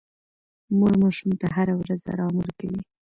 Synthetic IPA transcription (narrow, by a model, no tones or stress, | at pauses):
muɡmɑʃumt̪aɦaɾawɾaza̰ɾɑmuɾkawi